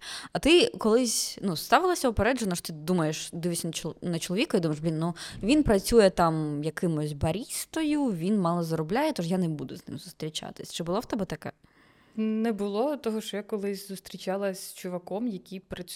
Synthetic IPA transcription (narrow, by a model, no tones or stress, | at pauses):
ɐt̪ɪkɔlˠɪsʲnust̪ɑʋɪlˠɐsʲɐʊpeɾɛd͡ʒɛnɔʂt̪ɪd̪umɐjeʃd̪ɪʋisʲnt͡ʃnɐt͡ʃɔlˠɔʋʲikɔjid̪umɐʒblʲinːuʋʲinpɾɐt͡sʲujɛt̪ɑmjɐkɪmʊzʲbɐɾʲist̪ɔjʊʋʲinmɑlˠɔzɐɾɔblʲajɛt̪ɔʂjanɛbud̪ʊznɪ̰mzʊst̪ɾʲit͡ʃɑ̰t̪ɪ̥sʲt͡ʃɪbʊlˠɔwt̪ɛbɛt̪ɐkɛ̰ | nɛbʊlˠɔt̪ɔɦɔʃt͡ʃɔjakɔlˠɪsʲzʊst̪ɾʲit͡ʃɑlˠɐsʲt͡ʃʊʋɐkɔmjɐkʲipɾɐ